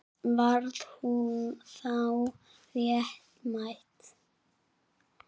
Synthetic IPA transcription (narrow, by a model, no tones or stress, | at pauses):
vaɾðhunθaw | rjɛht̪majht̪